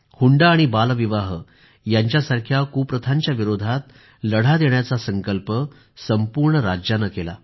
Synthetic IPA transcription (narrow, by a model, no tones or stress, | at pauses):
huɳɖaːɽ̃ibalʋiʋaɦə | jaɲt͡ɕjasaɾkʰjakupɾət̪ʰaɲt͡ɕjaʋiɾod̪ʱat̪ | ləɽ̤ad̪eɳjat͡sasəŋkəlpə | səmpuɾɳəɾad͡ʑjanakela̰